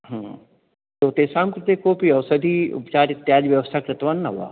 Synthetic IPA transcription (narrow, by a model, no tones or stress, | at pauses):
ɦə̃ | t̪oːt̪eːsaːmkɾɪt̪ekopiɐʋsəd̪ʱiʊ̰pt͡ʃaːɾɪt̪ːjaːd͡ʒʋjɐʋəst̪ʰaːkɾɪt̪ʋaːnːɐɦua̰ː